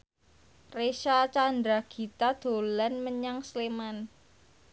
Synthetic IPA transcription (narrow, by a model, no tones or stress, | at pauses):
reʃat͡ʃand̪ɾaɡ̥i̤t̪ad̪̥o̤lanməɲaŋsleman